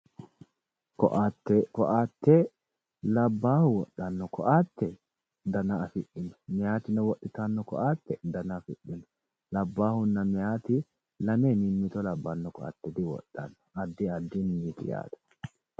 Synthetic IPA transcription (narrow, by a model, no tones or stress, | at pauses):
kɔʔat̪ːɛkɔʔaːt̪ːɛ | lɐbːaːhʊwɔɗːɐnːɔkʰɔʔaːt̪ːɛ | d̪ɐnaːfɪᶑːɪnɔ̥mɪjaːt̪ɪnɛwɔɗːɪt̪anːɔkɔ̰ʔaːt̪ːɛd̪ɐnɐfɪ̰ᶑːɪnɔ̥ | lɐbːaːhʊnːɐmɪjaːt̪ɪ | lɐneːnɪmːɪt̪ɔlɐbːɐnːɔkɔʔa̰t̪ːɛd̪ɪwɔ̰ɗːɐ̰nːɔ̥ɐd̪ːɪɐd̪ːinniːt̪ɪ̰ja̰ːd̪ɐ̥